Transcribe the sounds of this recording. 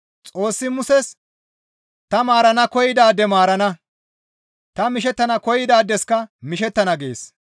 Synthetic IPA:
t͡sʼo̞ːsːɪmʊsɛs | t̪ɐmaːɾɐnɐkɔjɪd̪aːd̪ːɛmaːɾɐnɐ | t̪ɐmɪʃ̬ɛt̪ːɐnɐkɔjɪd̪aːd̪ːɛskɐmɪʃ̬ɛt̪ːɐnɐɡḛːs

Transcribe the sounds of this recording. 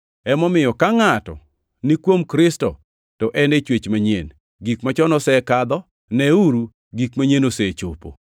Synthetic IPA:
ɛmɔmɪjɔkaŋatɔ̰ | nikwomkɾɪstɔ̰ | tɔʔɛnet͡ʃwet͡ʃmaɲen | ɡikmat͡ʃɔnɔsɛkad̪ɔ | nɛuɾu | ɡikmaɲenoset͡ʃo̰po̰

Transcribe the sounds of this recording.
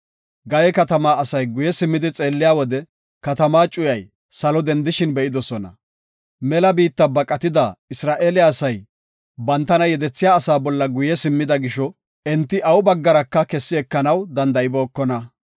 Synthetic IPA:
ɡɐjɛkɐt̪ɐmaːɐsɐjɡʊjɛsɪmːɪd̪ɪt͡sʼe̞ːlːɪjaːwɔd̪ɛ | kɐt̪ɐmaːt͡ʃʼʊjɐj | sɐlɔd̪ɛnd̪ɪʃɪnbɛʔɪd̪ɔsɔnɐ̰ | mɛlɐbiːt̪ːɐbɐkʼːɐt̪ɪd̪ɐɪsɾaːʔeːlɪaːsɐj | bɐnt̪ːɐnɐjɛd̪ɛt͡sːɪjaːsaːbɔlːɐɡʊjɛsɪmːɪd̪ɐɡɪʃɔ | ɛnt̪ːɪʔɐwʊbɐɡːɐɾɐkːɐkɛsːɪɛkːɐnɐwd̪ɐnd̪ɐʔɪboːkːɔnɐ

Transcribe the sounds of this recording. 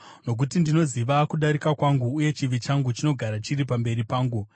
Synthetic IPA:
no̞k̬utindino̞ziʋakuɗaɾikakwaŋɡuːje̞t͡ʃiʋit͡ʃaŋɡut͡ʃino̞ɡʱaɾat͡ʃirip̬ambe̞ɾipaːŋɡu

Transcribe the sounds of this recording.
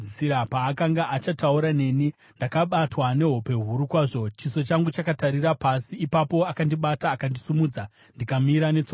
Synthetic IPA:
iiɾapaːkaŋɡaʔat͡ʃatauɾane̞ːni | ndakaɓatwane̞ɦo̞pe̞ɦuɾukwaːʐo̞t͡ʃiso̞t͡ʃaŋɡut͡ʃakataɾirapasiːpapo̞akandiɓataːkandisumuːd͡za | ndikamiɾanet͡so

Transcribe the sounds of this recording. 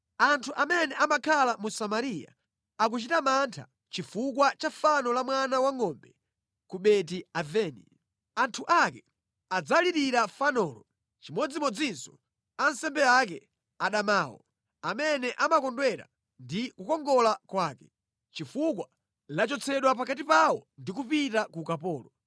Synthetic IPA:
antʰuʔamɛnɛʔamakʰalamusamaɾija̰ | ak̬ut͡ʃitamantʰa̰ | t͡ʃifukwat͡ʃafanɔlamwanawaŋɔmbɛ | kuɓɛt̬iavɛːnḭ | antʰuʔakɛ | ad͡zaliɾiɾafanɔːlɔ | t͡ʃimɔd͡zimɔd͡zinsɔ̥ | ansɛmbɛak̬ɛ | aɗamaːwɔ̰ | amɛnɛʔamakɔndwɛɾa̰ | ndikukɔŋɡɔlakwaːkɛ | t͡ʃifukwa | lat͡ʃɔt͡sʰɛɗwapakatipawɔndik̬upitakukapɔːlɔ

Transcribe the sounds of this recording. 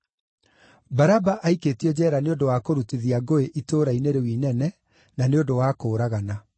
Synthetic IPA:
baɾabaʔaikeːtiɔd͡ʑɛːɾaneondowakoɾutiðiaɡoeʔitoːɾaineɾewiːnɛnɛ | naneondowaːkoːɾaɣana

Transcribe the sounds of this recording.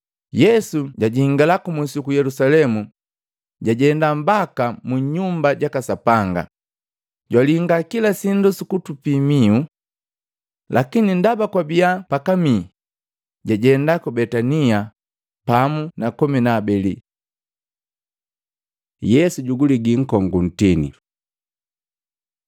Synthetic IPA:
jɛsuɟaɟiŋɡalakumusikujɛlusalɛmu | ɟaɟɛndam̩bakamuɲumbaɟakasapaŋɡa̰ | ɟwaliŋɡakilasindusukutupimiu | lʔakinindabakwabiapakami | ɟaɟɛndakubɛtania | pamunakɔminaːbɛli | jɛsuɟuɡuliɡiŋ̩kɔŋɡun̩tinḭ

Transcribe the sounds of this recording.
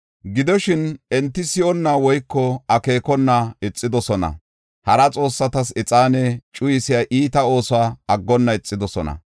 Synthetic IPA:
ɡɪd̪ɔʃɪnɛnt̪ːɪsɪʔɔnːaːwɔjkːɔɐke̞ːkɔnːaɛt͡sʼːɪd̪ɔsɔnɐ̰ | hɐɾɐt͡sʼo̞ːsːɐt̪ɐsɛt͡sʼaːnɛt͡ʃʼʊjɪsɪjaːʔiːt̪ɐo̞ːsʊaːɐɡːɔnːɐɛt͡sʼːɪd̪ɔsɔnɐ̰

